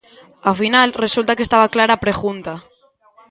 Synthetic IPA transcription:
afinalresult̪akest̪aβaklaɾapɾeɣunt̪a

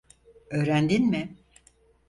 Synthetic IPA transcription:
øːɾænd̪inmɪ

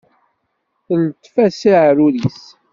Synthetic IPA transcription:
θəlt̪ːfæsiʕɾulis

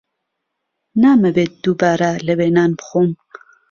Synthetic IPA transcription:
naməbeːt̪̚d̪̥ubaːɾaləbeːnaːnbxum

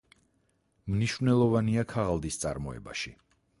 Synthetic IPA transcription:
mniʃvnɛlˠɔvaniakʰaʁalˠd̪ist̪sʼa̰ɾmɔɛ̰ba̰ʃi

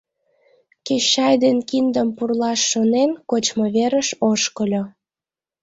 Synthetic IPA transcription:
keɕɑjd̪enkind̪əmpurlɑʃːonenkot͡ɕmoβeɾəʃoʃkəlʲo

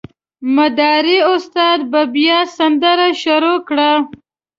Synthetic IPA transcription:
mad̪ɑɾiʊst̪ɑd̪̚babjɑsand̪əɾaʃʊɾokɽa

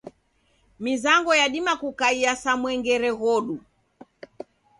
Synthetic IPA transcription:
mizaŋɡɔjaɗimakukaiasamwɛŋɡɛɾɛɣɔɗu

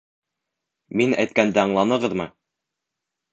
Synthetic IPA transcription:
minæ̰jt̪̚kænd̪ɘɑɴlˠɑnɤ̆ʁɤðmɤ

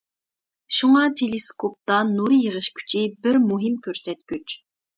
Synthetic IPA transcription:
ʃuŋɑt̪ʰeleskʰop̚t̪ɑnuɾɨjəʁəʃkʲʰy̥t͡ʃʰibɪɾmuɦɪmkʲʰøɾsɛt̪̚kʲyt͡ʃ

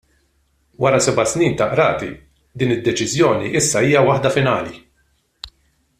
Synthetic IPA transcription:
wɐɾɐsɛbɐsniːnt̪ɐʔɾɐ̰ːt̪ḭ | d̪iːnɪd̪ːɛt͡ʃɪzjɔːniʔɪsːɐiːjɐwɐħd̪ɐfɪnɐːli

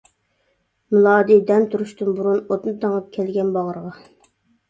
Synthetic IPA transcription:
mɪlˠɑːd̪id̪ɛnt̪ʰuɾuʃt̪ɨnbuɾunot̪nɨt̪ʰəŋɑp̚kʲʰɛlɡʲɛnbɑʁəɾəʁɑ

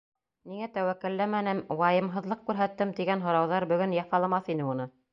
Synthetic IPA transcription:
niŋæt̪æwækːɘ̆lːæmænɘmwɑjɤ̆mɦɤ̆ðlˠɤq̚kʉɾɦæt̪ːɘmt̪iɡænɦŏɾɑwðɑɾbɵ̆ɡɵnjɑfɑlˠɑmɑθinɘunɤ

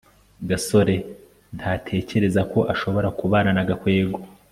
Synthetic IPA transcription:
ɡaso̞ɾe̞ | nthʰaːtʰe̞ːce̞ɾe̞zako̞ʔaʃo̞βo̞ɾakuβaːnanaɡakwe̞ːɡo

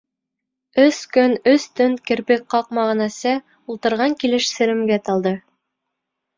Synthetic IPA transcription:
ɵskɵnɵst̪ɵnkɘ̆ɾpɘk̚qːɑq̚mɑʁnæsɤ | ulˠt̪ɤ̆ɾʁɑŋkilɘ̆ʃsɘ̆ɾɘ̆mɡæt̪ɑlˠd̪ɤ

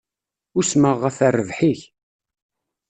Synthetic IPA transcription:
ʊsməʁːəfærːəvħiç

